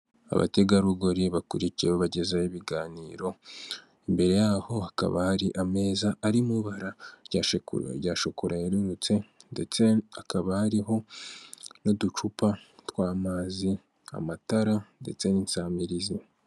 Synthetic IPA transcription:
a̰βa̰te̞ɡaɾuɡoɾiβakuɾiciɾeβoβaɟe̞zajiβiɡaːniːɾo̞ | embe̞ɾe̞jaːho̞haka̰βa̰haɾiʔame̞ːzaːɾimuβaɾaɟaːʃekṵɾ̰ɟaːʃokuɾajeɾuɾut͡se̞ndet͡se̞akaβahaɾiɦo̞ | no̞dut͡ʃupatwaːmaːzi | a̰mataɾande̞̰t͡se̞niːnsaːmiɾizi

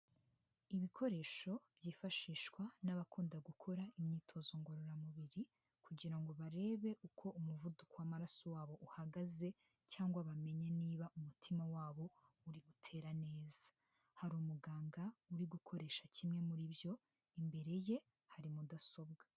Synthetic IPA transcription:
iβikʰo̞ɾe̞ːʃo̞bjifaʃiːʃkwanaβakʰuːndaɡukʰo̞ɾaimɲiːtʰo̞zo̞ŋɡo̞ɾo̞ɾamuβiɾi | kuɟiɾaŋɡo̞βaɾe̞ːβe̞ʔukʰo̞umuvudukowamaɾasowaːβo̞ʔuhaɡaze̞ | caːŋɡwaβame̞ɲeniːβaʔumutʰimawaːβo̞ | uɾiɡutʰe̞ːɾane̞ːza | haɾuːmuɡaːŋɡauɾiɡukʰo̞ɾe̞ːʃacimŋe̞muɾibjo̞ | imbe̞ɾe̞je̞ | haɾimudaso̞b̚ɡḁ

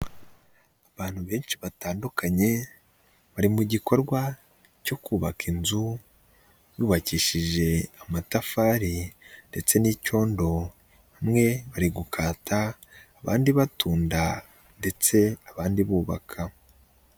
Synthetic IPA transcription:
aβaːn̥huβe̞ːnʃiβataːndukʰaɲe̞ | βaɾimuɟiko̞ɾɡwa | co̞kuːβakinzu | juːβaciːʃiʒe̞amatafaːɾinde̞t͡se̞niːco̞ːndo̞ | βamŋe̞βaɾiɡukʰaːtaː | βa̰ːndiβatuːnda | nde̞t͡se̞aβaːndiβuːβa̰kʰa

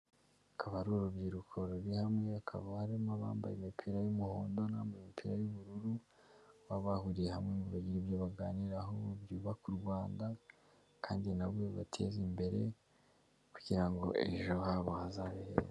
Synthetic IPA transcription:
akʰaβaɾuɾubjiɾukʰo̞ɾuɾihamŋe̞akʰa̰βaɾimaβa̰ːmba̰jemipʰiɾajumuhoːndo̞naːmbaemipʰiɾajuβuɾuɾu | βaβahuɾije̞hamŋeŋɡuβaɟiɾibjoβaɡaːniɾaɦobjuːβakuɾɡwaːnda | kʰaːndinaβwe̞βatʰe̞̰zimbe̞ɾe̞ | ku̥ɟiɾaŋɡo̞̰ʔe̞̰ʒo̞haβohazaβihḛɾ

